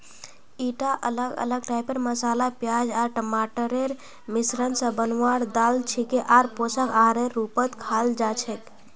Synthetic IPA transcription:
iʈaʔə̰ləɡə̰ləɡʈajpeɾməsalapjad͡ʒaɾʈəmaʈəɾeɾ | misɾənsə̃bənwaɽd̪alt͡ʃʰikeʔaɾposəkaɾeɾupət̪kʰald͡ʒat͡ʃʰət̪

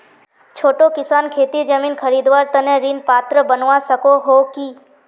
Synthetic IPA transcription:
t͡ʃʰoːʈokɪsankʰeːt̪id͡ʒəminkʰəɾid̪ʋaɾt̪əneɾinpat̪ɾəbənʋãsəkoɦoki

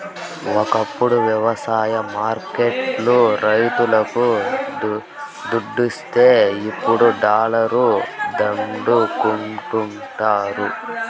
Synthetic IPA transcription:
ɔkɐpːuɽuʋjɐʋɐsaːjɐmaːɾkeʈluɾɐjt̪ulɐku | d̪uɖːist̪eːipːuɽuɖaːlɐɾud̪ɐɳɖukuɳʈumʈaːɾu

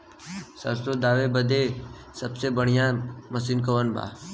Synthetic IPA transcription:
sə̰st̪od̪aːʋebəd̪e | səbsebəɽ̤ijãməsinkəʋənba̰ː

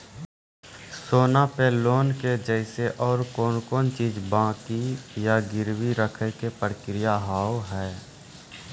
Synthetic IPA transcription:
soːnapeloːnked͡ʒəɪseʔɔːɾkɔːnkɔːnt͡ʃiːzbãːkijaɡɪɾwiɾəkʰəkepɾəkɾɪjaɦaːwɦɛː

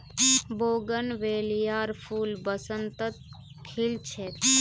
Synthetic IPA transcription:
boːɡənʋeːlijaːɾpʰuːlbəsənt̪ət̪̚ | kʰilt͡ʃʰet̪

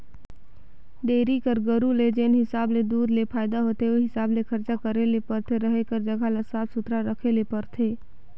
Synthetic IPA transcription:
ɖ̪eːɾikəɾɡəɾuled͡ʒeːnɦɪsaːbled̪uːɾlepʰaːɪd̪aɦoːt̪eoɦɪsaːblekʰəɾt͡ʃakəɾelepəɾt̪ʰeɾəɦekəɾd͡ʒəɡʱaləsaːtsʊt̪ɾaɾəkʰelepəɾt̪ʰeː

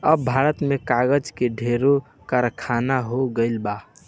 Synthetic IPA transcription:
əbːʱaɾət̪mekaɡəd͡ʒkeɖʱeɾo | kaɾkʰanaɦoɡəɪlba

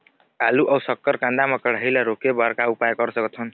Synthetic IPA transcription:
aluʔʌwsʌkːəɾkãnd̪amʌkəɽ̤ɦjlaɾokebaɾkaupajkʌɾsʌkt̪ɦun

